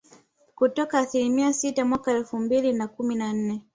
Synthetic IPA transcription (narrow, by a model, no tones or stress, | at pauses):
kutɔkaːθilimiasitamwakaɛlfumbilinakuminan̩nɛ